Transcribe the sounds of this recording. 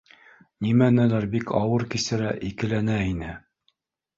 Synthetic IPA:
nimænælæɾbikʰɑwɤɾkisɘ̆ɾæʔikɘ̆lænæinɘ

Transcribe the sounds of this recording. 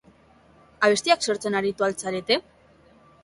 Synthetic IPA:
aβe̞st̪iakso̞ɾt͡se̞naɾit̪ualt͡saɾe̞t̪e̞

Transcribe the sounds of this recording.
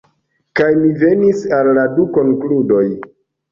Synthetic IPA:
kajmive̞nisalːaduko̞ŋkludo̞j

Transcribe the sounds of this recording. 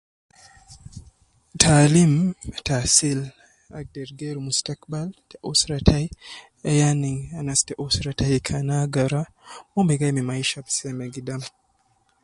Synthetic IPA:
tʰalimtasil | ak̚dɛɾɡeɾmustakbaltɛʔusɾatʰaj | ɛjaniŋanastɛʔusɾatajkʰanaɡaɾa | mɔmbɛɡajmimajʃabsɛmɛɡidam

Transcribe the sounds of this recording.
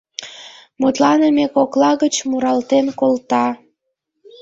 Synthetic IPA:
mut̪lɑnəmekoklɑɣət͡ɕmuɾɑlt̪enkolt̪ɑ

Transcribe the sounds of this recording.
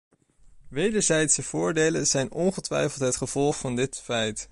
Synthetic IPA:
ʋejdəɹzɛjtsəv̥ʊːɹdejlənzɛjnɔnχətʋɛ̰jfəlˠtɦətχəv̥ɔlˠχfɑndɪtfɛjt

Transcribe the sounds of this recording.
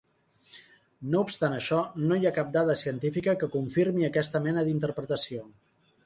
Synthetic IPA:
noupst̪anəʃɔnojakap̚d̪aðəsiənt̪ifikəkəkuɱfiɾmiəkɛst̪əmɛnəðint̪əɾpɾət̪əsio

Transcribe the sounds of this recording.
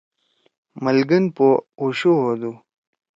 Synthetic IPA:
məlɡinpouɕuɦod̪u

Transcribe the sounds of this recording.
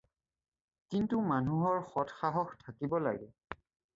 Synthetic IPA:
kintumanuɦɔɹxɔtxaɦɔxtʰakibɔla̰ɡɛ̰

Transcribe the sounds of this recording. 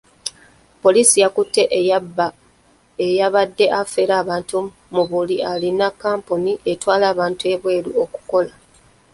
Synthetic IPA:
po̞liːsijakutːe̞ʔ | ejaβadːe̞ʔafe̞ɾaːβaːntu | muβulialinakːaːmpuniʔe̞twaːlaːβaːntue̞βwe̞ːɾuo̞ku̥ko̞la

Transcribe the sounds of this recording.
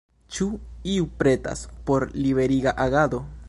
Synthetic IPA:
t͡ʃuiupɾe̞ta̰spo̞ɾliβe̞ɾiɡaʔaɡad̪o̞

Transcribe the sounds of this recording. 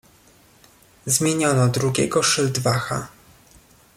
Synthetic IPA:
zmʲjeɲɔnɔd̪ɾuɡʲɛ̰ɡɔʂɘld̪vaxa̰

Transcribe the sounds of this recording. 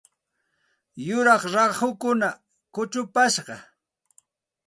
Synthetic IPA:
jʊɾɑχɾɑhʊkʊna | kʊt͡ʃʊpaʃɢɑ

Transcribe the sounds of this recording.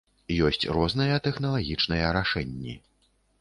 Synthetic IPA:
jɔsʲt͡sʲrɔznɐjɐt̪ɛxnɐlˠaɣʲit͡ʂn̪ɐjɛɾaʂɛnʲːḭ

